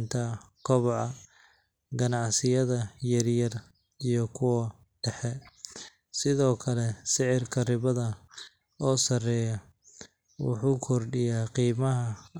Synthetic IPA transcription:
nt̪ʰɐkʰɔβɔʕɑ | ɡɐnɑʕsɪjɐðɐjɐrjɐr | ijɔkʰʊwɐ | ɖ̥ɛħɛ | sɪðɔːkʰɐlɛsɪʕɪrkʰɐrɪβɐðɐ | ɔːsɐrɛjɐ | wʊ̰ħuːkʰɔrɖɪjaːqiːmɐɦɐ

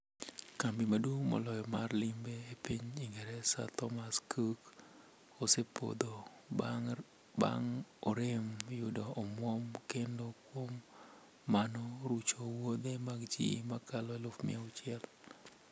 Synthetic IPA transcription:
kambimadwumɔ̰lɔjɔmarlimbeːpiɲiŋɡɛɾɛsa̰t̪ɔmaskʰuk | osepo̰d̪o | ba̰ŋɔɾɪmjʊdɔːmwɔmkendokwomː | anɔɾut͡ʃowod̪emaɡd͡ʒḭmakʰalɔelofmɪ̰aʊt͡ʃjɛl

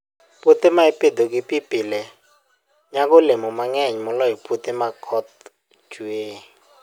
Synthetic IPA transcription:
pʼutʼimaipʼid̪ɔk̬ʼipipʼilɛ | ɲak̬ʼʊlemɔmaŋɛɲmɔlɔɦipʰʼutʼimakʰɔt̪̚ | d͡ʒueː

